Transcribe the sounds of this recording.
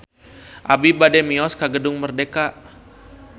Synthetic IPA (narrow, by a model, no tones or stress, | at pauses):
ʔabibadɛmiɔskaɡədʊŋmərdeka